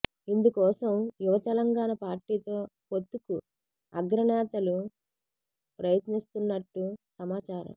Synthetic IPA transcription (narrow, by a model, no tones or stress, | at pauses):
ind̪ukɔːsɐmjuʋɐt̪ɛlɐŋɡaːɳɐpaːɾʈiːt̪o̞ːpot̪ːuku | ɐɡɾɐnɛːt̪ɐlu | pɾɐjɐt̪nist̪unːɐʈːusɐmaːt͡ʃaːɾɐ̰m